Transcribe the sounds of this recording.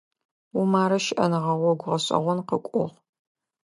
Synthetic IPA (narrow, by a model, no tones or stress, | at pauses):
umaːɾɐʃɪʔɐnɨʁɐʁʷɔɡʷʊʁɐɕʼɐ̰ʁʷɔnqəkʷʼʊʁ